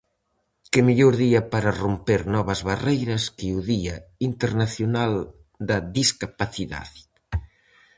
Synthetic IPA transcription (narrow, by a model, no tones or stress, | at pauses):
kɪmeʎoɾðiɐpaɾɐrompeɾnɔβɐzβarejɾɐskeuðiɐint̪eɾnaθjonal | d̪ɐðiskapaθiða̰ð